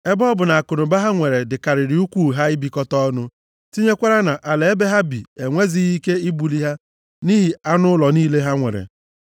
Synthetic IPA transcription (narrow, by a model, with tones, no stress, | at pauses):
e˦bɔ˦bʊ˨na˨a˨kʊ˨nʊ˨ba˦ɦa˦ŋʷe˨ɾe˨dɪ˨ka˨ɾɪ˨ɾi˨u˦kʷu˦ɦa˦ɪ˦bi˨kɔ˦tɔ˦nʊ˦ | ti˦ɲe˦kʷa˦ɾa˦na˨ʔa˨le˨e˦be˦ɦa˦bḭ˨e˨ŋʷe˦zi˦ɣi˦ke˦i˦bu˨li˦ɦa˦ | ni˦ɦi˨a˦nʊ˦lɔ˨niː˦le˦ɦa˦ŋʷḛ˨ɾḛ˨